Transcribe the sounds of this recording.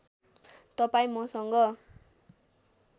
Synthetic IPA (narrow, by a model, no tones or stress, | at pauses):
t̪ʌpaĩmʌsʌŋɡʌ